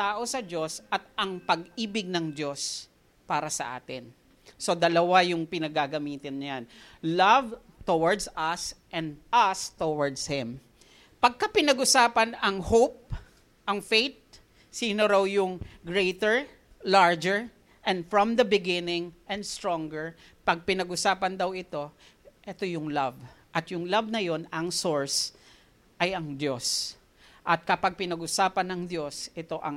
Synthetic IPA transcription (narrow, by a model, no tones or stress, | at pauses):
t̪aːʔo̞sɐd͡ʒo̞sʔɐt̪̚ɐŋpɐɡʔiːbɪɡ̚nɐŋd̪o̞s | paːɾɐsɐ̰ʔa̰ːt̪ɪn | so̞d̪ɐlɐwajʊŋpɪnɐɡaɡɐmiːt̪ɪnːɐjanlɐv | t̪owaɹd̪sɐsʔɛ̃nd̪ʔɐst̪owaɹd̪shɪ̃m | pɐɡ̚kɐpɪnɐɡʔʊsaːpɐnɐŋhowp̚ | ʔɐŋfejt̪̚ | siːnoɾawjʊŋɡɹejt̪ɛɹ | laɹd͡ʒɛɹ | ʔɛ̃nd̪fɹɔ̃md̪ɐbɪɡɪnɪŋʔɛ̃nd̪st̪ɹõŋɡɛɹ | pɐɡ̚pɪnɐɡʊsaːpɐnd̪ɐwɪt̪o̞ | ʔɛt̪o̞jʊŋlavʔɐt̪jʊŋlabnɐjo̞nɐŋsoɹs | ʔɐjɐŋd̪jo̞s | ʔɐt̪̚kɐpɐɡ̚pɪnɐɡʊsaːpɐnɐŋd̪jo̞sʔɛt̪o̞ʔɐŋ